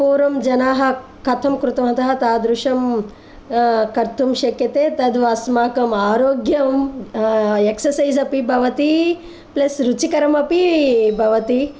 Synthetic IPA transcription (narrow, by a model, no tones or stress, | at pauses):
puːɾʋɐmd͡ʒɐnaːɦɐ̆ | kʰɐt̪ʰɐmkɾut̪ɐmɦɐt̪ɐɦɐt̪aːd̪ɾuʂɐm | kɐɾt̪ʰumʃɐkjɐt̪eːt̪ɐd̪ʋaːsmaːkɐmaːɾoːɡjɐm | eksɐɾsɐjzɐpibʱɐʋɐt̪i | plɐsɾut͡ʃikɐɾɐmɐpibʱɐʋɐt̪i